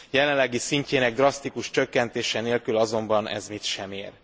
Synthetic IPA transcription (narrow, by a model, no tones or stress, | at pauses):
jɛlɛlɛɡisiɲceːnɛɡ̚d̪rɒst̪ikuʃt͡ʃø̞kːɛnt̪eːʃɛneːlkylɒzo̞mbɒnɛ̰zmit̪ʃɛmeːr